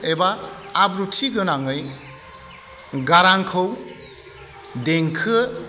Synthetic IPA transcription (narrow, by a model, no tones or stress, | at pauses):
ebaːbɾutʰiɡɯnaŋɯj | ɡaɾaŋkʰɯw | deŋkʰɯ